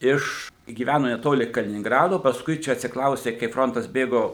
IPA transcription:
ˈɪʃ ɡʲiːˈʋʲænoː nʲɛˈtoːlʲɪ kɐlʲɪnʲɪŋɡˈrɑːdoː pɐsˈkʊɪ ˈt͡ʃʲɛ ɐtʲsʲɪkˈrɐʊsʲtʲeː kɐɪp ˈfroːntɐs ˈbʲeːɡoː

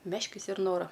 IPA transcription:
ˈmʲæːʃʲkʲɪs ɪr ˈnoːrɐ

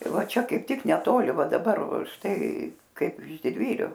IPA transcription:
ˈʋɐ ˈt͡ʃʲɛ kɐɪp ˈtʲɪk nʲɛˈtoːlʲɪ ˈʋɐ dɐˈbɐr ˈʃtɐɪ ˈkɐɪp ɪʃ dʲɪdʲˈʋʲiːrʲʊ

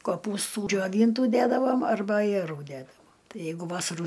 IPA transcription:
koːˈpuːstuː d͡ʒʲoːˈʋʲiːntuː ˈdʲædɐʋoːm ɐrˈbɐ ɐjɛˈruː ˈdʲædɐʋoːm ˈtɐɪ ˈjɛɪɡʊ ˈʋɑːsɐruː

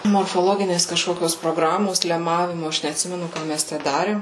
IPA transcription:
moːrfoːˈlˠoːɡʲɪnʲeːs kɐʃˈkoːkʲoːs proːˈɡrɑːmoːs lʲɛˈmɑːʋʲɪmʊ ˈɐʃ nʲɛɐtʲˈsʲɪmʲɛnʊ ˈkɑː mʲɛs ˈtʲæ ˈdɑːrʲeːm

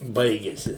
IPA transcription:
ˈbɐɪɡʲɛsʲɪ

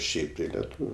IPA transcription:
ˈʃʲɛɪp tɐɪ lʲɛˈtuːʋʲʊ

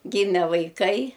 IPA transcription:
ˈɡʲiːmʲɛ ʋɐɪˈkɐɪ

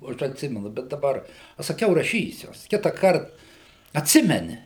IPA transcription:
oː ˈɐʃ ɐtʲˈsʲɪmʲɛnʊ ˈbʲɛt dɐˈbɐr ɐʃ sɐˈkʲɛʊ rɐˈʃʲiːsʲʊ ˈkʲɪtɑːkɐrt ɐtʲˈsʲɪmʲɛnʲɪ

